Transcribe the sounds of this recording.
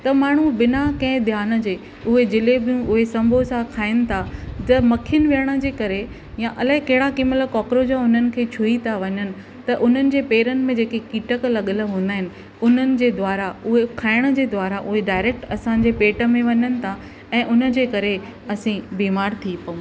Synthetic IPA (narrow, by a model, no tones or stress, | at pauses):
t̪ɐmaːɳ̤̃ubɪnakɐ̃ɦɪ̃d̪ʱjaːnə̆d͡ʑeː | ʊɦed͡ʑɪlebʱɪjũʔʊɦesɐ̃mbʱosãkʰaːɪnɪ̆t̪ʰat̪ɐmɐkʰiənɪ̆ʋiəɽ̃ə̆d͡ʑeːkɐɾe | jãʔɐlaːɦɪkɐɦɪɽakɪmələkɔːkɾod͡ʑãʊn̤ənɪ̆kʰeːt͡ɕʰuit̪ʰaʋɐɲənɪ̆ | t̪ɐʔʊn̤ənɪ̆d͡ʑeːpeːɾənɪ̆mẽd͡ʑeːkekiːʈəklɐɠələɦũːn̆d̪aːɦɪnɪ̆ | ʊn̤ənɪ̆d͡ʑeːd̪waːɾaʊɦekʰaːɪɽ̃ə̆d͡ʑeːd̪waːɾaʔʊɦeɖaːɪɾeːk̚ʈɐsãɲ̆d͡ʑeːpeːʈə̆mẽʋɐɲənɪ̆t̪ʰa | ɛ̃ːʔʊnə̆d͡ʑeːkɐɾe | ɐsĩbiːmaːɾt̪ʰipɐũ